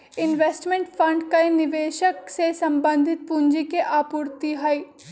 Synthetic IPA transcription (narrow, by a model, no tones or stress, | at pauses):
ɪnʋeːsʈmẽɳʈfʰɐ̃ɳɖkainɪʋeːʃəksesɐ̃mbə̃nd̪ʱɪt̪̚puɲd͡ʒikeʔaːpʊɾt̪iɦɐi